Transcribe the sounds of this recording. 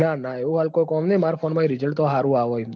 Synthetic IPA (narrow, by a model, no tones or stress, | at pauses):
nanaeũɦalkojkɔmnəjmaɾfʰonmãĩɾɪd͡ʒəɭʈt̪oɦaɾũaʋoj